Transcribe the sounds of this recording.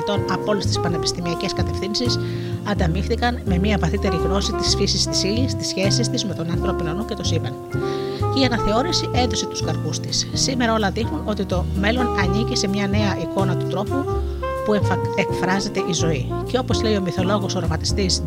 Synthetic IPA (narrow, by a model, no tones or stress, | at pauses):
t̪o̞nɐpo̞lest̪i̥spɐne̞pi̥st̪imiɐce̞skɐt̪e̞fθinsis | ɐnd̪ɐmixθikɐnme̞miɐvɐθit̪e̞ɾiɣno̞sit̪isfisist̪i̥silist̪isçe̞sist̪izme̞t̪o̞nɐnθɾo̞pinonuce̞t̪osipɐn | iɐnɐθe̞o̞ɾisiʔend̪o̞set̪u̥skɐɾkust̪isːime̞ɾɐo̞lɐðixnuno̞t̪it̪o̞me̞lo̞nɐnicise̞mɲɐne̞ɐʔiko̞nɐt̪ut̪ɾo̞pu | puekfɾɐze̞t̪e̞ʔizo̞i | ce̞o̞po̞zle̞io̞miθo̞lo̞ɣo̞so̞ɾomɐt̪i̥st̪is